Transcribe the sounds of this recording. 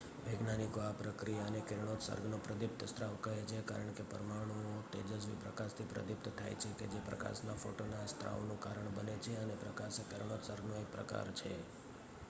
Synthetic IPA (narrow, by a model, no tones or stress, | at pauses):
ʋeɡnanikoapɾəkɾijaənekɪɾɳ̃ot̪sə̰ɾɡnopɾəd̪ɪp̚t̪əst̪ɾaʋkəɦet͡ʃʰeka̰ɾəɳ̃kepə̰ɾmaɽ̃uot̪ḛd͡ʒəsʋḭpɾəkaʃt̪ʰipɾə̰d̪ɪp̚t̪t̪ʰa̰jt͡ʃʰeked͡ʒepɾə̰ka̰ʃnafoʈonest̪ɾa̰ʋnũkaɾəɳbənet͡ʃʰeənepɾəkaʃekəɾɳ̃ot̪səɾɡnoepɾə̰ka̰ɾt͡ʃʰe